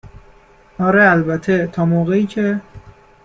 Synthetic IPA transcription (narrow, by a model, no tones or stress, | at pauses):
ʔɒːɾeælbæt̪ʰet̪ʰɒːmoːɣeiːcʰe